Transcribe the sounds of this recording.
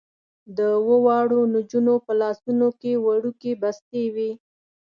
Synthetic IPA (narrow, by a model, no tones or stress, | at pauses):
d̪əwəwɑɽonʊd͡ʒunopəlɑsunokewaɽukebast̪ewi